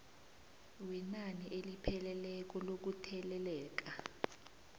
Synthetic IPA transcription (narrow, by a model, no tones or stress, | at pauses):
wɛnaniʔelipʰɛlɛlɛk̬ɔlok̬utʰɛlɛlɛːk̬a